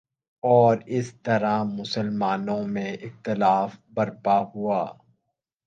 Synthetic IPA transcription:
ɔːɾɪst̪ɐɾamʊsəlmaːnõmẽɪxt̪ɪlaːfbɐɾpaɦuaː

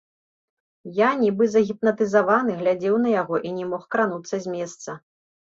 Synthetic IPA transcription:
janʲibɨzɐɣʲipnɐt̪ɨzavanɨɣlʲad͡zʲɛwn̪ɐjaɣɔʔinʲɛmɔxkɾanut̪sːɐzʲmʲɛst̪sɐ

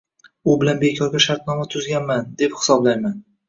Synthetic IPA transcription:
ʊbɪlanbekʲʰɒɾɡʲaʃaɾt̪̚nɒmat̪ʰʊzɡʲanmand̪e̞phɪ̥sɒblajman

